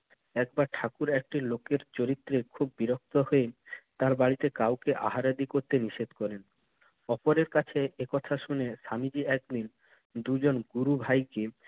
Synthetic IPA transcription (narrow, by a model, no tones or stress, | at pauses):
ɛk̚baɾʈʰakuɾek̚ʈilokeɾt͡ɕoɾit̪ːɾekʰubːiɾok̚t̪ohoet̪aɾbaɽit̪ekawkeʔa̰ɦaɾad̪ikoɾt̪eniʃed̪kɔɾen | ɔpoɾeɾkat͡ɕʰeekɔt̪ʰaʃuneʃamid͡ʑiɛk̚d̪in | d̪ud͡ʑonɡuɾubʱajke